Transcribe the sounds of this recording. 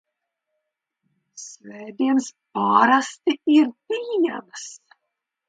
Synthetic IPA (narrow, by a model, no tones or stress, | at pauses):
svɛːd̪iɛnspaːɾast̪iiɾpiːɲæ̰ms